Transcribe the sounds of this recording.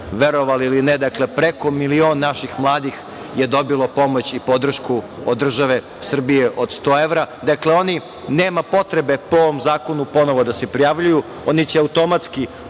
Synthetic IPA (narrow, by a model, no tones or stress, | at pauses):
ʋeɾo̞ʋaliilined̪akle̞pɾeko̞milioːnːaʃixmlˠaːd̪ix | jed̪o̞bilˠo̞po̞mo̞t͡ɕipo̞d̪r̩ʃkuod̪ːr̩ʒaʋe̞ | sr̩bijeʔo̞d̪st̪oːeʋɾad̪akleo̞ni | neːmapo̞t̪ɾebe̞poʋomzaːkonupo̞noʋod̪asepɾijaʋʎuju | onit͡ɕeaut̪o̞mat̪ski